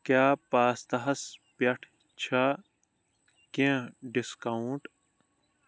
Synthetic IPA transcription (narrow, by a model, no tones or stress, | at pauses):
kjaːpaːst̪ɐɦɐspɐʈʰ | t͡ɕʰɐ | kẽːɖiskɐũʈ